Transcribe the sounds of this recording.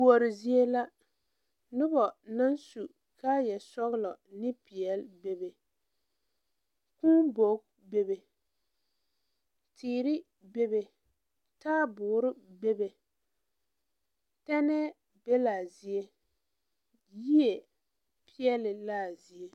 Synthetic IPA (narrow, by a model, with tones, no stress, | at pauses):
u˨o˨ɾɪ˨zi˦e˦la˦ | nʊ˦bɔ˨na˦nsu˨ | ka˦jɛ˨sɔ˦ɣɪ˦lɔ˨nɪ˦pi˨ɛ˨lbe˦be˨ | ku˦bo˨˦k | be˦be˨ | tʰiː˨ɾɪ˦ | be˦be˨ | taː˦bʊː˨˦ɾɪ˦be˦be˨ | tɛ˦nɛ˦ | b̥e˦laː˨zi˨e˦ | ji˦e˨ | pʰi˦ɛ˦lɪ˨la˦˨zi˨e˦